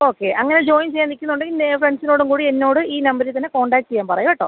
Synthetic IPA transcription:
o̞ːkːe̞ʔɐŋːɐned͡ʑo̞ːjimt͡ɕejːaːnikʲːunːuɳɖɨinːefreɳɖsino̞ːɽuŋkuːɽienːo̞ːɽɨiːnɐmbɐɾilt̪̬ɐnːeko̞ːɳɖaːkʈːt͡ɕejːaːmpɐrɐjɐʋeʈːoː

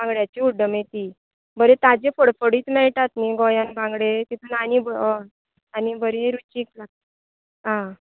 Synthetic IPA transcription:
bʱãŋɡɽjat͡ɕiuɖːəmjet̪iː | bʱəɾet̪ad͡ʑefəɽfəɽiːt̪mɛɭʈat̪niɡɔjanbãŋɡɽet̪it̪ʰuːnañibə | anibʱəɾeɾut͡ɕiklak̚t̪ | ɦã

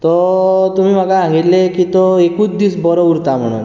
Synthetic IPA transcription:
t̪ɔt̪um̤ĩm̤aɡaãɡit̪lekit̪ɔekut͡sd̪isbɔɾɔuɾt̪am̤ə̰ɽ̃ṵn

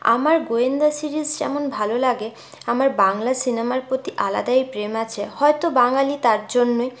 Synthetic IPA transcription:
a̰maɾɡoend̪asiɾizd͡ʑɛ̰monbʱalolaɡe | amaɾbaŋlasinemaɾpɾot̪iʔala̰d̪ajpɾemat͡ɕʰehɔet̪obaŋalit̪aɾd͡ʑonːoj

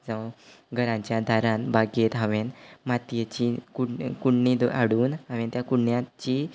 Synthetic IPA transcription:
d͡zə̃ʋ | ɡʱəɾãɲt͡ɕjad̪ʱaɾãnbaɡet̪ɦaʋenmat̪jet͡ɕikukuɽnid̪ʔaɽuːnaʋ̃ent̪jakuɽɳjat͡ɕiː

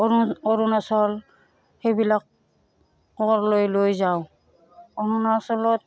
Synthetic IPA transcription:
ɔɾunasɔl | xejbilak̚ː | ɔɔɾlojlojzaw | ɔɾunasɔlɔt̚

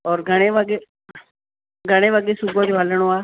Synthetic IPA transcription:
ɔːɾɡʱəɽ̃eʋəɡe | ɡʱəɽ̃eʋəɡesubod͡ʒoɦələɽ̃oaː

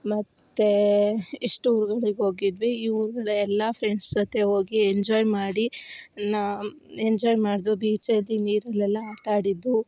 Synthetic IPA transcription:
mɐt̪ːeiʂʈuuɾuɡɐɭeɡeɦo̞ːɡid̪ʋiiːuɾuɡɐɭeɛlːɐpʰɾeɳɖsd͡ʒɔt̪e̞ɦoːɡieɲd͡ʒɔːjmaːɽin | eɲd͡ʒɔːjmaːɽd̪ubiːt͡ʃɐlːiniːɾɐlːɛlːɐaːʈaːɽid̪ːu

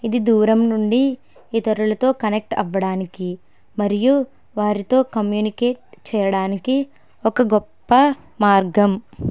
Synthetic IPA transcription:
id̪id̪uːɾɐmnuɳɖi | iːt̪ɐɾulɐt̪o̞ːkɐnek̚ʈɐ̰ʋːɐɽaːniki | mɐɾiju | ʋaːɾit̪o̞ːkɐmjuːnikeːʈ̚t͡ʃɛːjɐɽaːniki | ɔkɐɡɔpːɐ | maːɾɡɐm

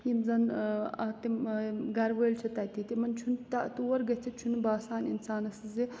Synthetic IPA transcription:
jimzɐnɐt̪iɡɐɾʋɐːlt͡ʃʰɐt̪ɐt̪it̪imɐnt͡ʃʰunt̪ɐt̪uwɐɾɡɐt͡sʰit͡ʃʰunbaːsaːnḭnsaːnɐsɨzi

